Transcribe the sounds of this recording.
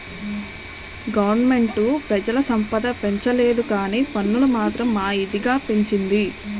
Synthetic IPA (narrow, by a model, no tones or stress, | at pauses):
ɡɐʋɐɾnme̞ɳʈupɾɐd͡ʒɐlɐsɐmpɐd̪ɐpe̞ɲt͡ʃɐleːd̪ukaːniːpɐnːulumaːt̪ɾɐmːaːid̪iɡaːpe̞ɲt͡ʃind̪i